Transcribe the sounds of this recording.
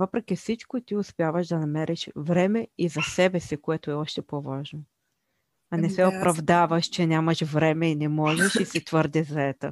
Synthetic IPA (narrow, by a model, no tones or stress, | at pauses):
vɤpɾɛkʲifsit͡ʃkoit̪iʊspɛjavəʃd̪ɐnɐmɛɾʔɛʃvɾɛmɛizɐsɛbɛsikoɛt̪ʊɛɔʃt̪ɛpɔvaʒno | ɐnɛsɛopɾɐvd̪avɐʃt͡ʃɛnʲamɐʃvɾɛmɛinɛmɔʒɛʃisit̪vɤɾd̪ɛzɐɛt̪ə̰